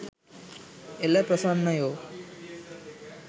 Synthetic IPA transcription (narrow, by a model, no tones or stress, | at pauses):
elːepɾɐsaːnːɐjoː